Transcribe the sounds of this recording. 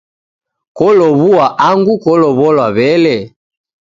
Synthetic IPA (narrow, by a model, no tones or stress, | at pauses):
kɔlɔβuaʔaŋɡukɔlɔβɔlwaβɛlɛ